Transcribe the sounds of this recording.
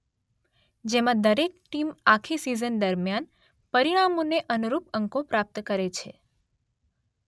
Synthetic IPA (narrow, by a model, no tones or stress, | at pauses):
d͡ʒemãd̪əɾek̚ʈimakʰisizənd̪əɾmjan | pəɾiɽ̃amõneʔənuɾupəŋkõpɾap̚t̪kəɾet͡ʃʰe